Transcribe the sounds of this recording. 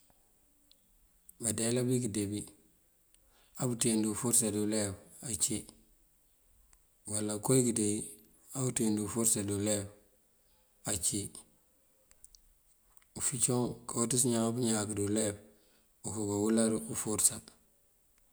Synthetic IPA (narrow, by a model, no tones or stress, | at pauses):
badelabikidebi | abutindufuɾsadulebat͡ʃi | walːakojkidei | abutindufuɾsaduleb | at͡ʃi | ufit͡ʃoŋkautisɲaŋbuɲakduleb | ukuɡawulaɾufuɾsa